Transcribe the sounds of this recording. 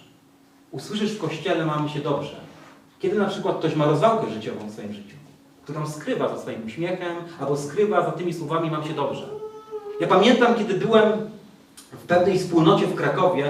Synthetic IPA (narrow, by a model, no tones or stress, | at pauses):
uswɘʂ̬ɘʂfkɔɕt͡ɕɛlɛmamɕɛd̪ɔbʐɛ̰ | kʲɛd̪ɘnapʂɘkwat̪̚k̚t̪ɔɕmaɾɔzvawkɛʐɘt͡ɕɔvɔ̃fsfɔjimʐɘt͡ɕu | kt̪uɾɔ̃w̃skɾɘvazasfɔjimuɕmʲjɛxɛmalbɔskɾɘvazat̪ɘmʲiswɔvamʲimamɕɛd̪ɔbʐɛ̰japamʲjɛnt̪amkʲjɛd̪ɘbɘwɛm | fpɛvnɛjspuwnɔt͡ɕɛfkɾakɔvʲjɛ